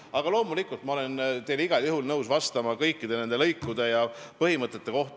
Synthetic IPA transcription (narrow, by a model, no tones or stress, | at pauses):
ɑɡ̥ɑlo̞ːmulikːˑult̪mɑo̞le̞nt̪e̞jliɡ̥ɑljuɦulnɤwsvɑst̪ɑmɑkɤjkːˑid̪̥e̞ne̞nd̪e̞lɤjkːˑud̪̥e̞jɑpɤɦimɤt̪ˑːe̞t̪ːe̞ko̞ht̪